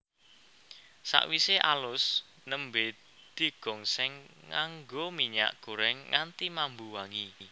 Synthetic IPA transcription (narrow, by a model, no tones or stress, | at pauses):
sa̰ʔwiseʔalʊs | nəmbe | d̪̥i̤ɡ̥ɔ̤ŋsɪŋːaŋɡomiɲa̰ʔɡ̥oɾɛŋːant̪imambuwaŋi